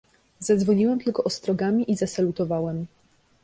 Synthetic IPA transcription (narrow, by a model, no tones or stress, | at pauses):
zad̪zvɔɲiwɛmt̪ɘlkɔʔɔst̪ɾɔɡamʲiʔizasalut̪ɔvawɛm